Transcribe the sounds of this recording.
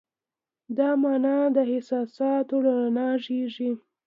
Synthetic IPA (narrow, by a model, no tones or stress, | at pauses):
d̪ɑmɑnɑd̪əhɪsɑsɑt̪oɽaanɑʒeʐi